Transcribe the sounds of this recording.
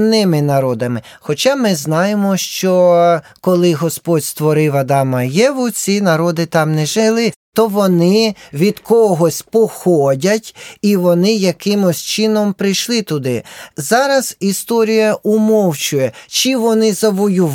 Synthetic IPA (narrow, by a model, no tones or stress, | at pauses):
nɪmɪnɐɾɔd̪ɐmɪxɔt͡ʃɑmɪznɑjemɔʃt͡ʃɔkɔlˠɪɦɔspɔdʲst̪ʋɔɾɪʋɐd̪ɑmɐjɛʋʊt͡sʲinɐɾɔd̪ɪt̪ɑmnɛʒɪlˠɪt̪ɔʋɔnɪʋʲid̪kɔɦɔsʲpɔxɔdʲɐtʲiʋɔnɪjɐkɪmʊsʲt͡ʃɪnɔmpɾɪjʃlˠɪt̪ʊd̪ɪzɑɾɐz̥ist̪ɔɾʲijɐʔumɔwt͡ʃʊjɛt͡ʃiʋɔnɪzɐʋɔjʊʋ